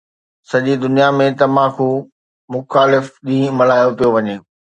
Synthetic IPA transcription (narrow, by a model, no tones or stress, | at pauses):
sɐʄid̪ʊnijamẽt̪ɐʋ̤ãkʰo | mʊxaːlɪfɗĩːmɐl̤aːjopijoʋɐɲeː